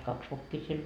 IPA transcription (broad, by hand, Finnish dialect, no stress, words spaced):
kɑks ʋokːiː siel